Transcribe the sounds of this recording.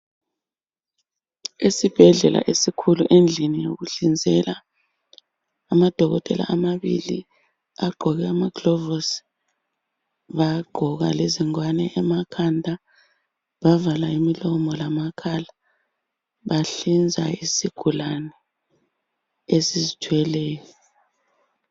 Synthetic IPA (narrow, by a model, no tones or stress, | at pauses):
esib̥ʱɛɮɛlʔa̰ʔesikʰuluʔend͡ɮʱinijoɣuɬind͡zʱɛla | mad̥ʱɔɣɔtʼɛla̰amaβḭlḭ | aɡ͡ǃʱɔɣɛamaɡ̥lɔvos | βaɡ͡ǃʱɔɣa̰leziŋwanɛʔːmakʰandʱa | βavalaimilɔmɔlamakʰala | βaɬind͡zʱa̰isiɡ̥ʱulanɛ | esizitʰwɛlɛːjɔ